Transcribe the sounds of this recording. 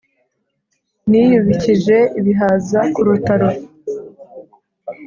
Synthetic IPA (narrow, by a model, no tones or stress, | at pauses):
nijuβiciʒe̞iβiɦazakuɾutaɾo